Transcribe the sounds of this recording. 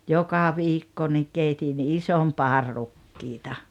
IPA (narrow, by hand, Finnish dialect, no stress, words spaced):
jokɑ ʋiːkːo nik keitin isom pɑːr rukːiːtɑ